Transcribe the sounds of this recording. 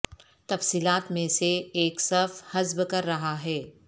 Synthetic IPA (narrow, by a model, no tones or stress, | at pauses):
t̪ɐfsiːlaːt̪mẽseːksɐfhɐzbkɐɾːɐɦaɦɛː